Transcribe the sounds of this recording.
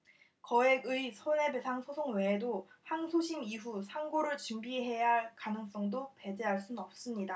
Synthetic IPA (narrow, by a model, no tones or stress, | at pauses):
kʌeɡɯisʰone̞besʰaŋsʰosʰoŋwe̞ːdohaŋsʰoɕʰimiɦusʰaŋɡoɾɯɭt͡ɕɯmbiɦe̞jaɦɭkanɯŋs͈ʌŋdope̞d͡ʑe̞ɦaɭs͈unnʌp̚s͈ɯmɲida